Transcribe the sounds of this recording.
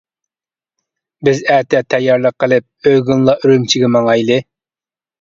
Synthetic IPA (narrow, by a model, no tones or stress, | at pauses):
bɪzæt̪ʰɛt̪ʰɛjːɑɾlˠəqʰːəlˠɨp̚øɡunlˠɑʔyɾymt͡ʃʰiɡʲɛmɑŋɑjlˠɨ